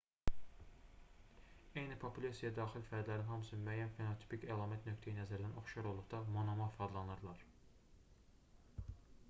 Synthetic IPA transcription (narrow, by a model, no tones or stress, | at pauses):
ejnipʰopulʲesijæd̪ɑːxilfæɾd̪læɾinhɑmɯsɯmyæjːænfenot̪ʰi̥picælˠɑːmæt̪nø̞kt̪ʰejinæzæɾd̪ænʔo̞χʃjɑɾo̞lˠd̪uʁd̪ɑmonomɑfɑd̪lˠɑnɯɾlˠɑɾ